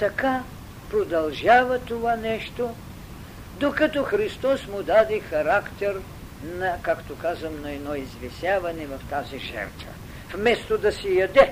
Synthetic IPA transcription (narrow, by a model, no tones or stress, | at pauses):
t̪ɐka | pɾod̪ɐlˠʒavɐt̪ovanɛʃt̪o | d̪okɐt̪ɔxɾist̪ɔsmʊd̪ad̪ɛxɐɾakt̪ɛɾ | nɐkakt̪okazɐmnɐɛd̪nɔizvɛsjavɐnɛvɐft̪aziʒɛ̰ɾt̪və̰ | fmɛst̪od̪ɐsɛjɐd̪ɛ